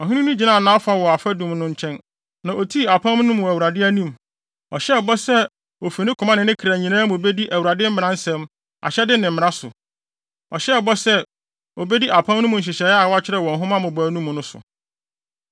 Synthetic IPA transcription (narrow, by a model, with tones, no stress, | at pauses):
ɔ˨ɦɪ̃˦ʊ̃˦nũ˦d͡ʑi˨nãː˦˨nãː˨˦ɔ˦fa˦wɔ˨a˨fæ˦dũ˨mnʊ̃˦ɲ˦t͡ɕʰɛ̃˦n | nã˨ʔo˨tʰi˦˨a˨pʰã˦m˦nʊ̃˦m˨æ˨wu˨ɾa˨dɪ˦æ˦nũ˦˨m | ɔ̰˨ɕɛ˦˨bɔ˦sɛ˦ | o˨fi˨nɪ̃˦kʰʊ̃˨mã˦nɪ̃˨nɪ̃˦kʰɾæ˨ɲĩ˨nãː˦mʊ̃˨be˦di˦ʔæ˨wu˨ɾa˨dɪ˦m̩˦mɪ̃˨ɾã˨˦n̩˦sɛ̃˦m | a̰˨ɕɛ˦dɪ˦nɪ̃˨m̩mɪ̃˨ɾã˦sʊ̰˨ | ɔ˨ɕɛ˦˨bɔ˦sɛ˦ | o˨be˦di˦ʔa˨pʰã˦mn˦ʊ̃˦mʊ̃˨ɲ̩˨ɕ̬ɪ˨ɕɛ˨˦a˨wɔ˦a˦t͡ɕʰɪ˦ɾɛ˨wɔ̃˨n˨ɦʊ̃˦mã˦mʊ̃˨bɔ˨æ˨nũ˦m̃˨nʊ̃˦sʊ̰˨